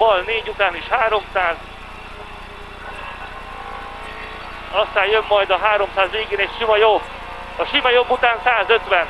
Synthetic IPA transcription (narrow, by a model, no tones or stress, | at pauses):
ɒlneːɟut̪aːniʃhaːɾo̞msaːz | ɒst̪aːjjømːɒjd̪ɒɦaːɾo̞msaːzʋeːɡeːnɛcʃimɒjobː | ɒʃimɒjo̞bːut̪aːnsaːzø̞t̪ʋɛn